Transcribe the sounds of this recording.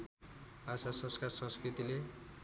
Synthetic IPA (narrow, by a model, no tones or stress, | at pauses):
asasʌ̃nskarsʌ̃nskrit̪ile